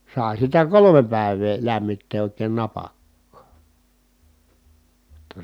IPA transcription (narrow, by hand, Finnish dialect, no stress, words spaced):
sɑˑi̯ sitæ kolome pæˑi̯ʋeː læmːitːeː oˑi̯keːn nɑpɑkːɑː jotːɑ